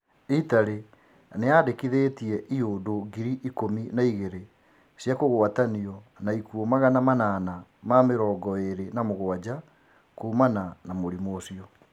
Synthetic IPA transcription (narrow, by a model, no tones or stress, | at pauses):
itaɾe | neadekiðeːtiɛʔiodoɡiɾiʔikominaiɣeɾe | sjakoɣwataniɔnaikuɔmaɣanamananamameɾɔːɡɔeɾenamoɣwad͡ʑa | koːmananamoɾimwɔsiɔ